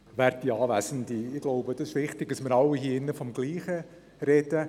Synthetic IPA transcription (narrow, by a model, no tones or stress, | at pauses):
ʋæːɾt̚d̥iɑːvæsən̩diɪɡ̥loʊbəd̥ɑsɪʃʋɪχtɪɡ̥̚dɑsmɪɾɑwiɦiːɪnːəfɔmɡliːχə | ɾɛd̥ə